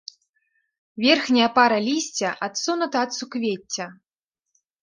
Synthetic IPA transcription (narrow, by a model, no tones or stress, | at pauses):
vʲɛrxnʲɐjɐpaɾɐlʲisʲt͡sʲɐʔat̪sunut̪ɐːt̪sukvʲet͡sʲːɐ